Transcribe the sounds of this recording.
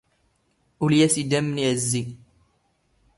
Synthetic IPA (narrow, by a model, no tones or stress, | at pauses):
ʔuljæsid̪æmːniʕəzːi